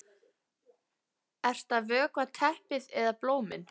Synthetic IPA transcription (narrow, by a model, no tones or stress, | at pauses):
ɛr̥st̪avœːkvat̪ʰɛhpɪðɛðaploːwmɪ̰n